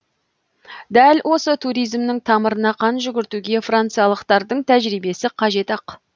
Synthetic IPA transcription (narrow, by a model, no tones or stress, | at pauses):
d̪ælwo̞sət̪ʰuɾijzmnɪŋt̪ʰɑməɾənɑqʰɑnʒʏɡʲɪɾt̪uɡʲe̞frant̪sɨjɑlˠəqt̪ɑɾd̪əɴt̪ʰæʒɾijbe̞sɪqʰɑʒe̞t̪ɑq